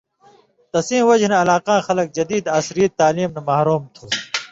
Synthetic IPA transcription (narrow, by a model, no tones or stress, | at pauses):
t̪ɐsĩːwɐd͡ʑneɐlaːqãːxɐlɐk̚d͡ʑɐd̪iːd̪aːsɾit̪̚ːaːliːmnɐmahɾuːmt̪ʰoː